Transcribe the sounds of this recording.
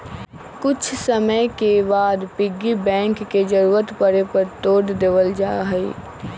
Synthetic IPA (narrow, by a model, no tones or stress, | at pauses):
kʊt͡ʃʰsəməjkebaːd̪pɪɡːibɛ̃ːŋkːed͡ʒəɾuːɾət̪pəɽepəɾt̪oːɖd̪eːʋəld͡ʒaːɦɛḭ